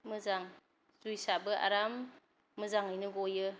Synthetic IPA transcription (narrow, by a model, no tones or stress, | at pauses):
mɯzaŋ | sɾujsabɯʔa̰ɾamː | ɯzaŋɯjnɯɡɔjɯ